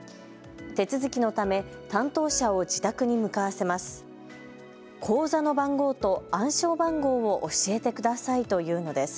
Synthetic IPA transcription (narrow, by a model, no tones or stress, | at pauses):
t̪e̞t͡sɨzɨkʲino̞t̪ame̞ | t̪ãnt̪o̞ːɕao̞d͡ʑit̪akɯ̟ɲ̟imɯ̟kaβase̞masɨ̥ | kʰo̞ːzano̞bãŋɡo̞ːt̪o̞ãɰ̃ɕo̞ːbãŋɡo̞ːβoʔoɕie̞t̪e̞kɯ̟d̪asait̪o̞jɯ̟ːno̞d̪e̞sɨ̥